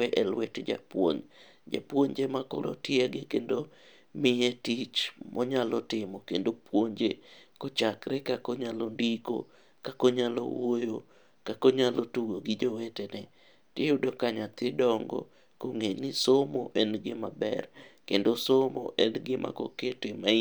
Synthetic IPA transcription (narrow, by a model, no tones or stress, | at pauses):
wɛʔelwetd͡ʒa̰pwo̰ɲ | d͡ʒa̰pwoɲd͡ʒemako̰lo̰tjɛɡɪkendo | mɪetit͡ʃmʔɔɲalɔtɪmɔkendopwoɲd͡ʒekot͡ʃakɾɛkakoɲalondiko̰ | kakoɲalo̰wojo | kakoɲalotuɡoɡɪd͡ʒowetenɛ | teʊdokaɲat̪ɪdɔŋɡɔ̰ | koŋenɪsomoʔenɡɪmabɛ̰rkendosomɔ̰ʔɛnɡɪmʔa̰koketemai